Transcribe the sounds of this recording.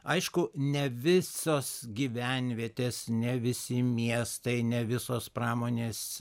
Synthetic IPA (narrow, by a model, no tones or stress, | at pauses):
ɐɪʃkʊnʲɛʋʲɪsoːsɡʲiʋʲænʲʋʲiɛt̪ʲeːsnʲɛʋʲɪsʲɪmʲiɛst̪ɐɪnʲɛʋʲɪsoːsprɑːmoːnʲeːs